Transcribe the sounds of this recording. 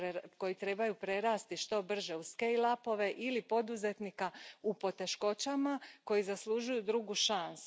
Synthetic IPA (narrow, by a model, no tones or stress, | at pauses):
eko̞jit̪ɾe̞bajupɾe̞ɾaːst̪iʃt̪o̞br̩ʒe̞uskejlˠapo̞ʋe̞ʔilipo̞d̪uze̞t̪nikaupo̞t̪e̞ʃko̞t͡ɕamako̞jizaslˠuʒujud̪ɾuɡuʃansu